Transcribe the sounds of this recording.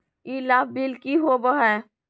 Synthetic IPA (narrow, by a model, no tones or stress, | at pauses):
ilaːb̚bilkiɦobəɦɛː